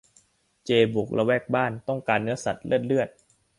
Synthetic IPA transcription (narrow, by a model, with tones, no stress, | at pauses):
t͡ɕeː˧bu˨˩k̚lʔa˧wɛː˥˩k̚baː˥˩nt̪ɔ˥˩ŋkaː˧nːɯ˦˥ɐsa˨˩t̪̚lɯ˥˩ət̪̚lɯ˥˩ət̪̚